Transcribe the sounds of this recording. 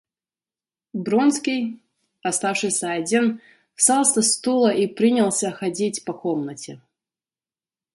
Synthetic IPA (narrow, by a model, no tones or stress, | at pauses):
bɾonskʲij | ɐst̪afʂɨsʲɐːdʲin | fst̪alˠsʲɐst̪ulˠəʔipɾʲinʲɪlˠsʲəxɐdʲitʲpɐkomnətʲɪ